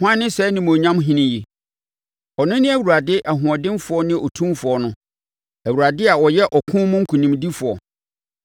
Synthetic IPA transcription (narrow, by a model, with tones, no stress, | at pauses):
hã˦nːɪ̃˦sɛ˦nɪ̃˦m˨õ˨ɲã˦mɦĩ˦nɪ̃˦ji˨ | ɔ˨nʊ̃˦nɪ̃˦æ˨wu˨ɾa˨dɪ˦ʔa˨ɦʊ̃˨ɔ˨dɪ̃˦nfʊ˨ɔ˦nɪ̃˦ɔ˨tʰũ˦mfʊ˨ɔ˦nʊ̃˦ | æ˨wu˨ɾa˨dɪ˦a˨wɔ˨jɛ˦ʔɔ˨kʰũ˦mʊ̃˦ŋ̩˦kʰu˨nĩ˨mdi˦fʊ˨ɔ̰˨